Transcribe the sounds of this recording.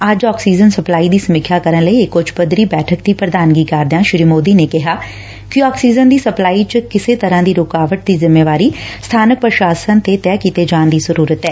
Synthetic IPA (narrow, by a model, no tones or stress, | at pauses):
əd͡ʒɔːksiːzənsəplaːiːd̪iːsəmɪkʰjaːkəɾənləiːɪkːot͡ʃʰpəd̪ɾiːbɛːʈʰək̚d̪iːpɾəd̪aːnɡiːkaːɾd̪ãːʃɪɾiːmoːd̪iːneːkɪɦaː | kiɔːksiːzənd̪iːsəplaːiːt͡ʃəkɪseːt̪əɾãːd̪iːɾoːkaːʋəʈ̚d̪iːzɪmːeːʋaːɾiːst̪ʰaːnək̚pɾəʃaːsənt̪et̪ɛːkiːt̪eːd͡ʒaːnd̪iːzəɾuːɾət̪ɛː